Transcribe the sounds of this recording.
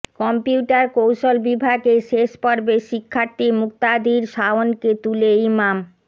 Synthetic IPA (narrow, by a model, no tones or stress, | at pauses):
kɔmpiuʈaɾkowʃolbibʱaɡeʃeʃpoɾbeʃikʰːaɾt̪imuk̚t̪ad̪iɾʃaonket̪uleimam